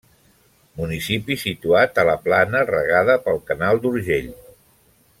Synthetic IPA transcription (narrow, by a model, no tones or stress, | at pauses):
munisipisit̪uat̪ələplanərə̰ɣaðəpəlˠkənalˠd̪uɾʒeʎ